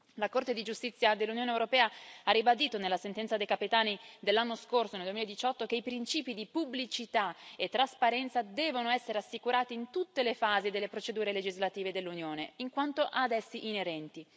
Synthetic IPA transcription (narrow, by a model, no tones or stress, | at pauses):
lakort̪ed̪id͡ʒust̪it̪sːjad̪elːunjoːnewɾopɛːaarːibad̪iːt̪onelːasent̪ɛnt̪sad̪ejkapet̪aːnid̪elːanːoskorsoneld̪uwemiled̪it͡ʃɔt̪ːokeipɾint͡ʃiːpid̪ipubːlit͡ʃit̪aet̪ːɾaspaɾɛnt̪sad̪ɛːvonoɛsːeɾeasːikuɾaːt̪iːnt̪ut̪ːelefaːzid̪elːepɾot͡ʃed̪uːɾeled͡ʒizlat̪iːved̪elːunjoːneiŋkwant̪oʔad̪ɛsːiʔineɾɛnt̪i